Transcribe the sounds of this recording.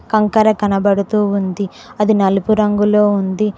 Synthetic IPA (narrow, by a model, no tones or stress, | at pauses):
kɐŋkɐɾɐkɐnɐbɐɽut̪uːund̪i | ɐd̪inɐlupuɾɐŋɡulo̞ːund̪i